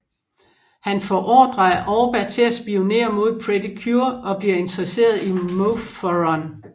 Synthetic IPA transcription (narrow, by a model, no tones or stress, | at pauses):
hænfɒʔɒːd̥ʁɑʔɒʊb̥æt͡sʰe̝æsb̥io̝ne̝̰ːɐmo̝ð̞̰ˠpʰʁed̥ikʰjuɐʔɒ̽b̥liɐe̝nt͡sʁɐse̝̰ːɐð̞ˠimofɒʁɒn